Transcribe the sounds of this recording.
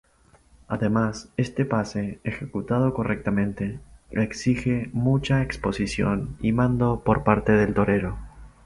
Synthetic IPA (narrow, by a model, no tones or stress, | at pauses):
aðe̞mase̞st̪e̞pase̞ːxekut̪að̞o̞ko̞rek̚t̪amẽ̞nt̪e̞eksixemut͡ʃaeksposisjo̞̰nimãnd̪o̞po̞ɾpaɾt̪e̞ðelt̪o̞ɾe̞ɾo̞